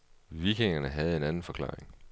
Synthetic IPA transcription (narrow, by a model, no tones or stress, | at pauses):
ʋiɡ̥ʰeŋɐnəɦæð̞̩ˠe̝nænn̩fɒ̽kʰlɑ̰̈ːʁeŋ